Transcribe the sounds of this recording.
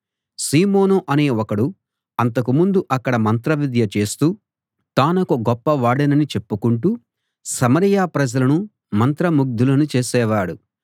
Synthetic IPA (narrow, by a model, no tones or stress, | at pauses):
siːmo̞ːnoʔɐne̞ːɔkɐɽu | ɐnt̪ɐkumund̪uʔɐkːɐɽɐmɐnt̪ɾɐʋid̪jɐt͡ʃe̞ːst̪uː | t̪aːnɐkuɡɔpːɐʋaːɽɐnɐnit͡ʃe̞pːukuɳʈu | sɐmɐɾijaːpɾɐd͡ʒɐlɐnu | mɐnt̪ɾɐmuɡ̚d̪ʱulɐnut͡ʃeːsɛːʋaːɽu